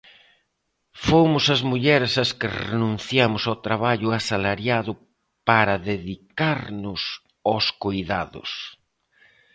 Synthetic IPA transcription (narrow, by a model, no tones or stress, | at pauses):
fomʊsɐzmuʎɛɾɪsɐskɪrḛnũn̟θjamʊsawt̪ɾaβaʎʊasalaɾjaðʊ | paɾɐðeðikaɾnʊs | oskojða̰ðʊ̰s